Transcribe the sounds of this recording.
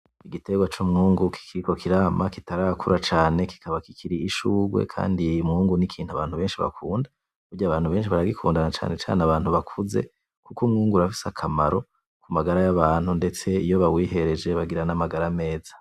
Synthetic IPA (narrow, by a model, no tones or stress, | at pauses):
iɡite̞ɡwat͡ʃumŋuːŋɡuki̥kʰiiko̞kʰiɾaːmakitaɾakʰuɾat͡ʃaːne̞ki̥kʰaβakikʰiɾiːʃuːɡwe̞̰kʰa̰ːndimŋuːŋɡunikʰiːn̥huaβaːn̥huβe̞ːnʃiβa̰kʰuːnda | uɾɟaβaːn̥huβe̞ːnʃiβaɾaɡikʰuːndanat͡ʃa̰ːnet͡ʃa̰ːnaβaːn̥huβakʰuze̞̰ | kukumŋuːŋɡuɾafi̥sakʰamaɾo̞ | kumaɡaɾajaβaːn̥hunde̞t͡se̞ijo̞βawiːhe̞ɾe̞d͡ʒe̞βaɡiɾanamaɡaɾame̞ːzḁ